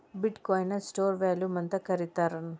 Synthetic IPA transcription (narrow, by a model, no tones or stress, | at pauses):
biʈkɔːjnɐsʈoːɾʋaːljumɐnt̪ɐkɐɾit̪aːɾɐnu